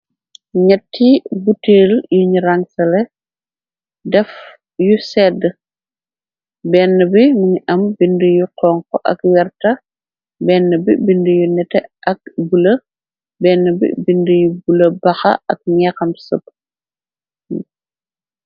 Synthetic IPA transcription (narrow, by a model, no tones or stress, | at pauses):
ɲɛtːibuteːljuɲɾaŋsɐlɛ | dɛf | jusɛːdə | bɛːnːəbimuɲiʔɐmbindujuqɔːŋkɔʔɐ̰kwɛɾtɐ | bɛːnːəbibindujunɛtɛʔɐk̚bulɐ | bɛːnːəbḭbindəjubulɐbɐxɐ̰ʔɐk̚ɲɛkɐmsəp̚ː